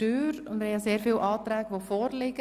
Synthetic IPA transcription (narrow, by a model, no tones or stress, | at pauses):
yːɾʊndmɪhɛjaseːɾfiːlʔɑːt̪ɾɛːɡʋofɔːɾlɪɡ̥ə